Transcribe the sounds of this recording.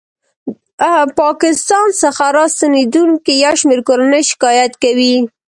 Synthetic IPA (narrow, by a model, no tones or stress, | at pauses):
pɑkɪst̪ɑnsaxaɾɑst̪aned̪uŋkijawʃmeɾkoɾanəjʃɪ̥kɑjat̪kawi